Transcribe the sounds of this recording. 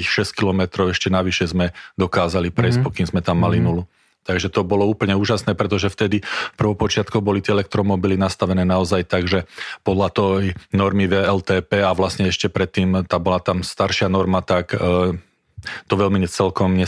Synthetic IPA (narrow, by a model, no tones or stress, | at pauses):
ixʃɛsckilɔmɛt̪ɾɔʊɛʃcɛnaʋiʃɛzmɛd̪ɔkaːzalipɾɛjs̚pɔkiːmzmɛt̪amːalinulu | t̪aɡʒɛt̪ɔbɔlɔuːpl̩ɲɛuːʒasnɛːpɾɛt̪ɔʒɛft̪ɛd̪ifpr̩ʋɔpɔt͡ʃɪat̪kɔbɔlit̪ɪɛɛlɛkt̪ɾɔmɔbilinast̪aʋɛnɛːnaɔzajt̪aɡʒɛpɔd̪lat̪ɔjnɔɾmiʋɛɛlt̪ɛːpɛːaʋlasɲɛɛʃcɛpɾɛt̪ːiːmt̪aːbɔlat̪amst̪aɾʃɪanɔɾmat̪ak | t̪ɔʋɛlmiɲɛt͡sɛlkɔmɲɛ